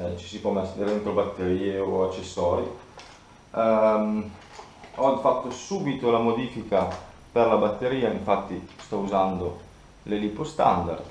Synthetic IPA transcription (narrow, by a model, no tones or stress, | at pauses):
t͡ʃi̥sipwɔmɛst̪eɾent̪ɾobat̪ːeɾiːeoat͡ʃːesːɔːɾje | ɔfat̪ːosuːbit̪olamod̪iːfika | perlabat̪ːeɾiːaiɱfat̪ːist̪ɔuzand̪o | lelipost̪a̰nd̪a̰rd̪